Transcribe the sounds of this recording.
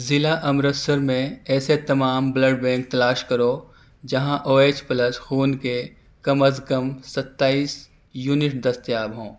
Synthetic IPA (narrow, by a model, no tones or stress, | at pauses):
zɪlaʔɐmɾət̪səɾmẽɛːset̪ɐmaːmbləɖbɛ̃ːŋk̚t̪ɐlaːʃkɐɾo | d͡ʒɐɦãʔoːeːt͡ʃpɐləsxuːnke | kɐməskɐmsɐt̪ːaːiːs | juːnɪʈd̪ɐst̪jaːbɦõː